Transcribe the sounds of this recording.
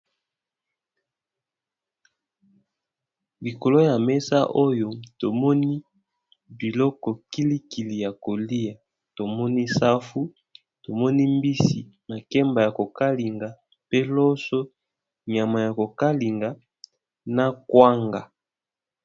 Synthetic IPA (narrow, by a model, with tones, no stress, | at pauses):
li˨ko˨lo˦ja˨me˦sa˦ʔo˦jo˨to˨mɔ˦ni˦ | bi˨lɔ˦kɔ˨ki˦li˦ki˨li˨ja˨ko˨li˦ja˨ | to˨mɔ˦ni˦sa˦fu˦ | to˨mɔ˦ni˦mbi˦si˨ma˨kɛ˦mba˨ja˨ko˨ka˦li˨ŋɡa˨ | pe˦lo˦so˦ | ɲa˨ma˨ja˨ko˨ka˦li˨ŋɡa˨ | na˦kwa˦ŋɡa˨